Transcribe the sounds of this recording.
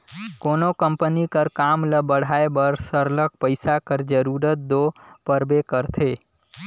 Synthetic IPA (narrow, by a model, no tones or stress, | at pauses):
konokəmpənikəɾkamləbəɽ̤ʱaebəɾsəɾlək̚pəɪsakəɾd͡ʒəɾuɾət̪̚d̪opəɾbekəɾt̪ʰe